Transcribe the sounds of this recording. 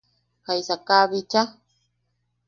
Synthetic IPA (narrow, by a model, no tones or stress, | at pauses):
kajsakaβit͡ʃa